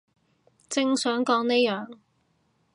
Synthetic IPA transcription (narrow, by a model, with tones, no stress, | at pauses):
t͡sɪ˥ŋsœː˨˥ŋkɔː˨˥ŋne˥jœː˨ŋ